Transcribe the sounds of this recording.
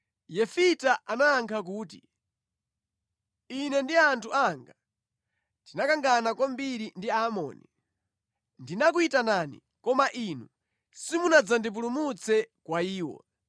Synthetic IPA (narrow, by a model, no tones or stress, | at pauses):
jɛfitaʔanaːŋkʰak̬uːtḭ | inɛndiantʰuaŋɡa | tinakaŋɡanakwambiɾindiaːmɔ̰ːni | ndinak̬uitananḭ | kɔmaʔinu | simunad͡zandip̬ulumut͡sʰɛkwaiːwɔ̰